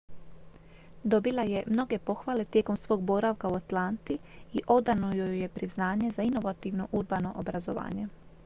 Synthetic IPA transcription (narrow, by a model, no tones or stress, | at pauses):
d̪o̞bilˠaje̞mno̞ɡe̞po̞xʋaːle̞t̪je̞ko̞msʋo̞ːɡ̚boɾaʋkauat̪lant̪iiʔo̞d̪anojojepɾiznaːɲe̞zaino̞ʋat̪iʋno̞ʔuɾbano̞ʔobɾazo̞ʋa̰ːɲe̞